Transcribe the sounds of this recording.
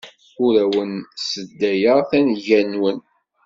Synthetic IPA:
uɾæwənsəd̪ːæjəʁθænʝænwən

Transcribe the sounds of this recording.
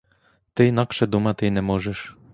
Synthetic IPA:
t̪ɘjnɑkʃɘ̆d̪umɑt̪ɘjnɛmoʒɘ̆ʃ

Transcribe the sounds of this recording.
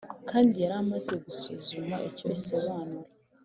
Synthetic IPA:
kaːndijaɾamaze̞ɡusuzumaʔico̞iso̞βaːnuɾe

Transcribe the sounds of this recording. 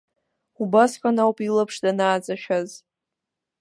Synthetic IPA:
ubasqʷʼanawpʼilapʰʂdanaːt͡sʼaʃᶣaz

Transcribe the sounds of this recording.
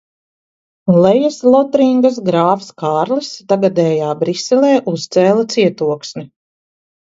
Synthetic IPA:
lɛjaslˠɔt̪ɾiŋɡasɡɾaːfskaːɾlist̪aɡad̪ɛːjaːbɾisɛlɛːʔust̪sɛːlˠat̪siɛt̪uɔksni

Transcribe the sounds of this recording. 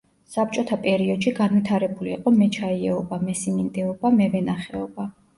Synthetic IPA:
sap̚t͡ʃʼɔt̪ʰapʼɛɾiɔd̪ʃiɡanwit̪ʰaɾɛbuliːqʼɔmɛt͡ʃʰaiɛɔbamɛsimind̪ɛɔbamɛvɛnaχɛɔba

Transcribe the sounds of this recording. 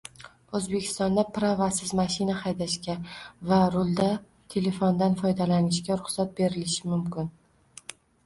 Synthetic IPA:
ɵzbe̞kʲʰɪ̥st̪ɒnd̪apɾavasɪzmaʃɪnahajd̪aʃkʲavaɾʊlˠd̪a | t̪ʰe̞le̞fond̪anfɒjd̪alanɪʃkʲaɾʊχsat̪̚be̞ɾɪlɪʃɪmʊmkʲɪn

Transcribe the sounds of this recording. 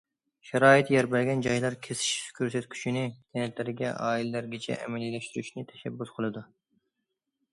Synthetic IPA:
ʃɛɾɑːit̪jɛɾbælɡʲɛnd͡ʒɑjlˠɑɾkʲʰesi̥ʃskʲʰøɾsɛt̪kʲʰy̥t͡ʃʰinɪt̪ʰɛnɛt̪lɪɾɪɡʲɛ̰ʔɑːilɛlæɾɡʲɛt͡ʃʰɛ̰ʔɛ̰mɛlilɛʃt̪yɾyʃnɪt̪ʰɛ̥ʃɛbːysqʰəlˠɨd̪u

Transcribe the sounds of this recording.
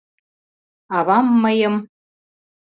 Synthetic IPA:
ɑβɑmːəjɤ̆m

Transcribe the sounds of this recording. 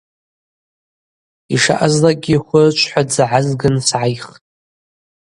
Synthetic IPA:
iʂa̰ʔazlakʼɡʲiχʷʊt͡ʃʷʰħʷad͡zaʕazɡɨnsʕajχtʼ

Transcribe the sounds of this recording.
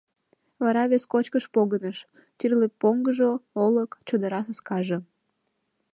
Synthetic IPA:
vɑɾɑβʲeskot͡ɕkəʃpoɣənəʃ | t̪yrlepːoŋɡəʒooləkt͡ɕod̪əɾɑs̬əskɑʒə

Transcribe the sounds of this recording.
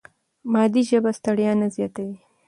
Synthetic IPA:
mɑːd̪iʒəbast̪aɽjɑnazjɑt̪awi

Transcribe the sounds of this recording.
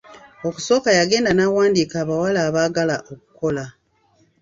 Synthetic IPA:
o̞ku̥so̞ːkajaɡe̞ːndanawaːndiːkaːβawalaːβaːɡalaʔo̞k̚u̥ko̞la

